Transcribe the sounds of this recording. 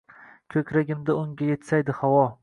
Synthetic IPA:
kʲʰɵkʲʰɾaɡʲɪmd̪aʊŋɡʲaje̞t̪sajd̪ɪhawɒ

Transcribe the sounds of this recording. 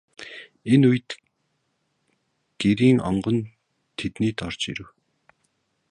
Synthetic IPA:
enuj̆t̪ | ɡ̥eɾiːŋɔ̰ɴɢɞ̆n | t̪ʰet̪niːt̪ɔrt͡ɕḭɾɘ̆w

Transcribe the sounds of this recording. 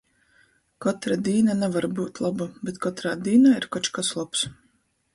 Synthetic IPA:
kɔt̪ɾad̪iːnanɛvaɾbuːt̪lˠabubɛt̪kɔt̪ɾaːd̪iːnaiɾkat͡ʃkaslˠaps

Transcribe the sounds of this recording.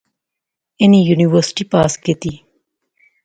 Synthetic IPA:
enijuːniʋəɾsɪ̥ʈipaːskit̪iː

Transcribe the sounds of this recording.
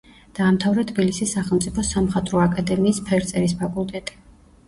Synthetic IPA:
d̪̥aːmt̪ʰavɾɛt̪ʰbilisisːaχɛlˠmt̪sʼipʰɔsamχat̪ʼɾɔakʼad̪ɛmiːspʰɛɾt̪sʼɛɾispʰakʼulˠt̪ʼɛt̪ʼi̥

